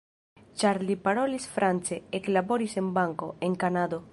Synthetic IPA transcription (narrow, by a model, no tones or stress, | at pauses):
t͡ʃaɾlipaɾolisfɾʔant͡seeklaboɾisembaŋkoeŋkanad̪o